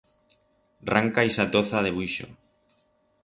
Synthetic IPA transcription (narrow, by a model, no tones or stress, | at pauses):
raŋkaisat̪oθað̞eβwuiʃo̰